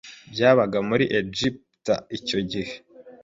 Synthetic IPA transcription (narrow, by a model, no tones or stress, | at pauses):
bɟaːβaɡamuɾiʔed͡ʒip | ta̰ico̞ɟihe̥